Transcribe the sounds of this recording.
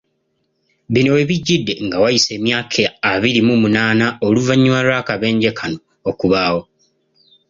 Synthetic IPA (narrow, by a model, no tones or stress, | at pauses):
βinewe̞βiɟːidːe̞ŋɡawajise̞ːmjaːkʰeaβiɾimumunaːnaoluvaɲːuwalwaːkaβe̞ːɲɟe̞kʰano̞ːkuβaːwo̞